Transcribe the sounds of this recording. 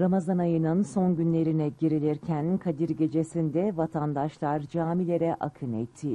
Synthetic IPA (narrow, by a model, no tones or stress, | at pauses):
ɾamazanajɯnɯnso̞nɟynlʲe̞ɾinɛɟiɾilʲiɾcʰænkʰad̪iɾɟe̞d͡ʒe̞sind̪ɛvat̪ʰand̪aʃlˠaɾd͡ʒaːmilʲe̞ɾɛʔa̰kʰɯnɛ̰t̪ʰːi